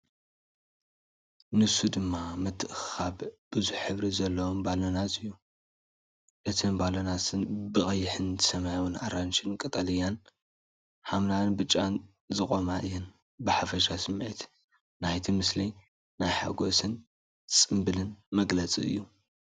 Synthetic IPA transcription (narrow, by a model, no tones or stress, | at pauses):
nɨsud̪ɨmːamɨt̪ʰʼːɨʔxaβb̥ɨzuħħɨβɾizɐlːɐwombalonat̪ɨjːu | ʔɨt̪ʰɨnbalonasɨnbɨxʼɐjːɪħɨnt̪ʰɨ̥sɐmajwunaɾanʃɪnkʼɐt̪ʼɐlijan | hamnanbɨt͡ʃʼːan | zɨkʼo̞maʔɨjɛn | bɨħafɐʃasɨmːʕit̪ | najt̪ʰimɨsli | najħa̰ɡo̞sɨn | sʼɨmbɨlɨnmɐɡlɐt͡sʼḭɨ̰jːu